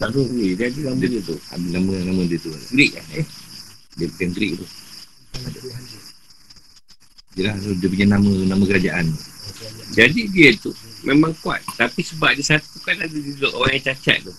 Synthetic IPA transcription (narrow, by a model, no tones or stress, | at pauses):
saɾuidiadilamdiət̪ua̰binamə̃namə̃diət̪uaɡɾiʔ̚a̰ | diəpəkanɡɾɪk̚t̪u | adaa | diəlaht̪udiəp̬uɲanamə̃namə̃kəɾad͡ʒaʔant̪ud͡ʒadidiət̪umʔemãŋkua̰t̪̚t̪apisəbaʔ̚disat̪ukanadududoʔoɣaŋjaŋt͡ʃat͡ʃa̰t̪̚t̪u